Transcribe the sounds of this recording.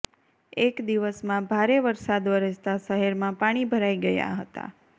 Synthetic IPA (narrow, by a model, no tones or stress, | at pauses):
ekd̪iʋəsmãbʱaɾeʋəɾsad̪ʋəɾəd͡ʒt̪aʃəɦeɾmãpaɽ̃ibʱəɾaiɡəja̰ɦət̪a̰